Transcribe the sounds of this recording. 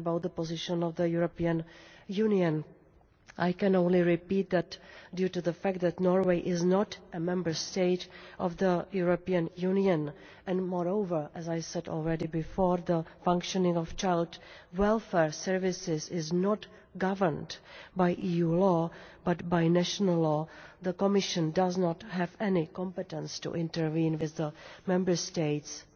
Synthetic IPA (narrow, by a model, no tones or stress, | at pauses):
bawt̪̚ðəpozɪʃə̃nɔvðəjuɾopiə̃njuniə̃n | ʔajkɛ̃nõʊ̃nlɪɹɪpiːt̪̚d̪ɛtdjuːtuðəfæk̚t̚ðɛtnɔɹweɪʔɪznɔtʔəmɛ̃mbəɹsteɪtʔɔvðəjuɹopiə̃njuniə̃n | ʔɛ̃nmɔɹowvəɹʔɛzajsɛdɔ̰ːlɹɛdɪbɪfɔɹðəfãŋkʃɔnɪ̃ŋɔft͡ʃajldwɛlfɛːɹsɛɹvɪsɪzɪznɔt | ɡavəɹndbajʔiːjuːlɔːbatbajnɛʃonəllɔːðəkɔmɪʃə̃ndaznɔtɦɛvɛnɪkɔ̃mpɛtɛ̃nstṵʔɪ̃ntəɹvĩːnwɪðːəmɛ̃mbəɹsteɪts